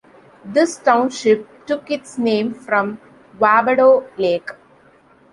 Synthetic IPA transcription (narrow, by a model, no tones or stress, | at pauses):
d̪ɪsʈãʊ̃nʃɪp̚ʈʊkɪʈsnẽːmfɾɔ̃m | ʋaːbəɖoːleːk